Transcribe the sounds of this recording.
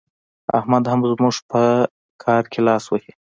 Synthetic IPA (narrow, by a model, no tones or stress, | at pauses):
a̰hmad̪hamzmuʐpʰə | kʰɑɾkʰelɑswəhi